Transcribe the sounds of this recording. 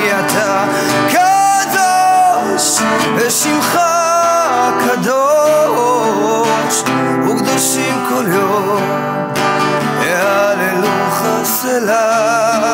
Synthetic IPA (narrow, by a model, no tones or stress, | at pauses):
at̪a | ka | d̪o | ʃ | vɛʃimχa | kʰad̪o | ʃ | mukd̪aʃimkʰoljo | m | ealelu | χa | sela